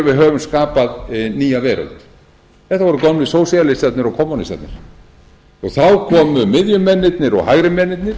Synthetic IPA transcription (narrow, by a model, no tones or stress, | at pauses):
vɪðɦœːvʏmskaːpaðniːjavɛːɾʏ̰lt̪ | θɛht̪avɔɾʏkɔmnɪsoːwsjalɪsat̪nɪɾɔɣkʰɔmːonist̪a̰t̪nɪɾ̥ | ɔɣθawkʰɔːmʏmɪðjʏmɛnːɪt̪nɪɾɔ̰ɣhaɣɾɪmɛnːɪt̪nɪɾ̥